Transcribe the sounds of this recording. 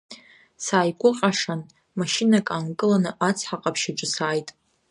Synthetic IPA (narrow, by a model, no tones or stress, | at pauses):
saːjkʷʼʊqʲʼaʂan | maʃɪnakʼaːnkʼɨlanɨʔat͡sʰħaqʼapʰʃaʈ͡ʂʷʼɨsaːjtʼ